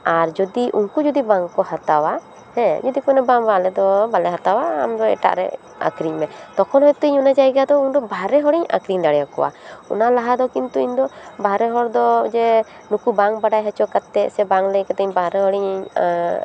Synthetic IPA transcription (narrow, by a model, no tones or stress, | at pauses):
aɾd͡ʒɔd̪iʔṵŋkud͡ʒud̪ibaŋkɔhat̪awa | hɛ̃d͡ʒɔd̪ikɔnɛbaŋbalɛd̪ɔbalɛɦat̪awa̰ːmd̪ɔɛ̰ʈa̰ʔɾɛ̰ | a̰kɾiɲmɛt̪ɔkʰɔnɦɔjt̪əɲunad͡ʒajɡad̪ɔuŋd̪ɔbʱaɾɛɦɔɽiɲa̰kɾiŋd̪aɽɛjakɔ̰wa̰ṵnalaɦad̪ɔkint̪uiɲd̪ɔbʱaɾɛɦɔɾd̪ɔd͡ʒɛ | nukubaŋbaɖajɦat͡ʃɔkat̪ːɛʔsɛbaŋlɛjkat̪əɲbaɾɛɦɔɽiɲ